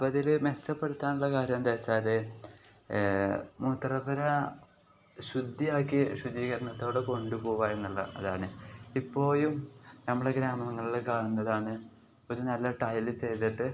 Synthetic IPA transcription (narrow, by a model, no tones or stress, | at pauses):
bɐðilmet͡ɕːɐpːeɽut̪ːaːnuɭːɐkaːɾjɐmt̪ɐt͡ɕːaːle | mut̪ːrɐbɐɾɐ | ɕud̪ʱːijaːkːiɕud͡ʑiːɣɐɾɐɳɐt̪ːo̞ːɽeko̞ɳɖupo̞ːuʋaːe̞nːuɭːɐ̰ɐðaːɳɨipːo̞ːjumnɐmːɐɽeɡɾaːmɐŋːɐɭilkaːɳunːɐðaːɳɨ | o̞ɾunɐlːɐʈɐjlɨt͡ɕe̞jt̪iʈːɨ